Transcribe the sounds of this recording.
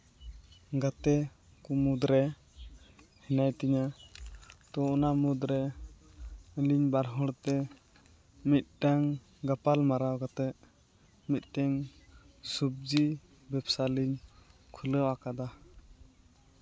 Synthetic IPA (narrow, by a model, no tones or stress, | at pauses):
ɡat̪ɛ | kumud̪ɾɛ | hɛnajt̪iɲa | t̪ɔɔnamud̪ɾɛ | liɲbaɾɦɔɾt̪ɛ | mit̪̚ɖaŋ | ɡapalmaɾawɡat̪ɛʔ | mit̪̚ˀt̪ɛŋ | sup̚d͡ʒi | bɛpsaliɲkʰuləwakad̪a